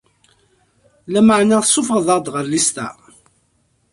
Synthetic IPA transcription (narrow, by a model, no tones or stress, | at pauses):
læməʕnaθəsːʊfʁəðˤɑʁd̪ʁəɾlist̪æ̰